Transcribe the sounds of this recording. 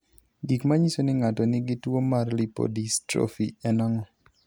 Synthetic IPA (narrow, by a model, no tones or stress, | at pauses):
ɡikmaɲisonɪŋatɔnɪɡɪtwomarlipo̰distɾo̰fiɛnaŋɔ